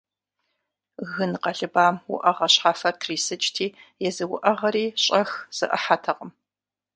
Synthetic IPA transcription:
ɣɨnqɐɮɨbaːmwʊ̰ʔɐʁɐɕħaːfɐtʰriːsɨt͡ʃʼtʰiːjɛzɨwʊ̰ʔɐʁɐɾiːɕʼɐxz̥ɨ̰ʔɐ̰ħaːtʰɐqʼəm

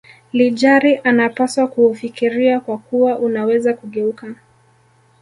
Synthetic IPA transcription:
liʄaɾiʔanapaswakuːfikiɾiakwakuwaʔunawɛzakuɠɛuka

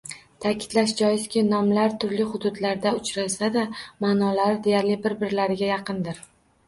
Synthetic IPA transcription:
t̪ʰakʲʰɪ̥d̪̥laʃd͡ʒɒjɪskʲɪnɒmlaɾt̪ʰʊɾlɪχʊd̪ʊd̪laɾd̪aʊt͡ʃɾɪlsad̪amaːnɒlaɾd̪e̞jaɾlɪbɪɾbɪɾlaɾɪɡʲajɑqʰɨnd̪ɪɾ

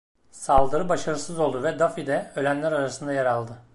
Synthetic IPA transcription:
salˠd̪ɯɾɯbaʃaɾɯsɯzolˠd̪uvɛd̪afid̪ɛølʲænlʲæɾaɾasɯnd̪ajaɾalˠd̪ɯ

